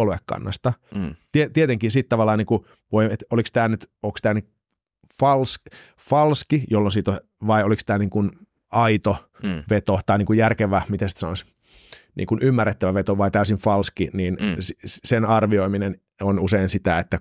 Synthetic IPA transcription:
oluekːɑ̰nːɑ̰st̪ɑt̪iet̪iet̪eŋkinsit̪t̪ɑʋɑlːɑːniːŋku | ʋoiet̪olikst̪æːnyt̪oːkst̪æːnit | fɑls | fɑlskijolːonsiːt̪o | ʋɑiolikst̪æːniːŋkun | ɑit̪o | ʋet̪ot̪ɑiniːŋkujærkeʋæmit̪æsi̥t̪sɑnois | nʔḭːŋkunʔymːærːet̪ːæʋæʋet̪oʋɑit̪æysiɱfɑlskiniːnsssenɑrʋioiminen | onuseinsit̪æet̪ːæ

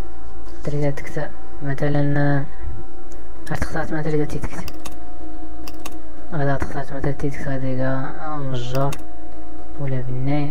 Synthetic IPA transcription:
ɑt̪əɾid̪æt̪ə̥kt̪æ | mæt̪ælən | hæɾt̪ə̥xt̪ɑɾˤt̪mæt̪æɾid̪æt̪it̪ə̥kt̪i̥ | æd̪æt̪ə̥xt̪ɑɾˤt̪mæt̪ælt̪it̪əkt̪æd̪iɡæ | məʒːɑɾˤ | wlæbənːæ

